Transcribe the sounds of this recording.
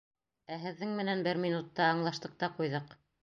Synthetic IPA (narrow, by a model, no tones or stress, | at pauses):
æɦɘ̆ðːɘŋmɘ̆nænbɘɾmʲinut̪ːɑːɴlˠɑʃt̪ɤ̆q̚t̪ɑqujðɤq